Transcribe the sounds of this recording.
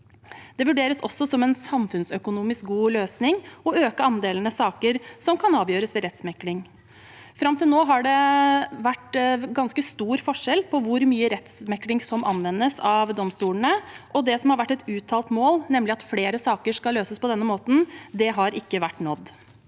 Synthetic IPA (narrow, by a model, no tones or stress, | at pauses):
d̪̥ɛʋʉɖeːɾəsɔ̰sːɔsɔmɛnsɑmfʉnsœkʊnuːmɪsk̚ɡuːløːsnɪŋɔøːkəɑnd̪eːlən̩əsɑːkəɾsɔmkʰɑnɑːʋjøːɾəsʋɛɾɛt̪smɛkːlɪŋ | fɾɑmt̪ɪlnoːɦɑɖɛʋæʈːɡɑnskəst̪uːɾfɔʂɛlpʰɔʋʊɾmyːəɾɛt̪smɛkːlɪŋsɔmʔɑ̰nʋɛnːəsɑʋd̪ɔmst̪uːləɳəʔɔd̪ɛsɔmhɑɾʋæʈːɛt̪ʉːt̪ʰɑːlt̪moːlnɛmːlɪɑt̪fleːɾəsɑːkəʂkɑlːøːsəspɔd̪ɛnːəmoːt̪n̩d̪ɛɦɑɾɪkːəʋæʈːnɔd̪ː